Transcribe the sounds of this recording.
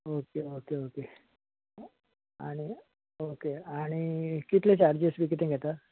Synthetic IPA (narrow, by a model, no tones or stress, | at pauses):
okeokeoke | a̰ɽ̃i | okeaɽ̃ikit̪lẽt͡ɕaɾd͡ʑisʋik̬it̪ẽɡʱɛt̪a